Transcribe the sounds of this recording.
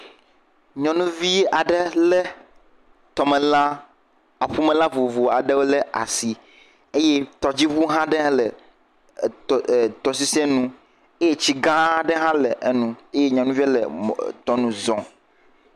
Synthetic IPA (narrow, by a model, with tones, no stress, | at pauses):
ɲɔ̃˨nũ˦vi˦a˨ɖe˦lɛ˦ | t̪ɔ˨me˨la˦ | a˨ɸu˦mẽ˨la˦vo˨vo˨a˨ɖe˦wo˦le˦a̰˨si˨ | e˦je˦t̪ɔ˨d͡ʑi˦βu˦ɦã˦ɖẽ˦lɛ˨ | t̪ɔ˨s̬i˦sɛ̃˦nũ˦ | e˦je˦t͡ɕi˦ɡã˦ɖe˦ɦã˦lɛ˨ʔe˨nũ˨e˦je˦ɲɔ̃˨nũ˦vi˦lḛ˨t̪ɔ˦nũ˦zɔ̃˨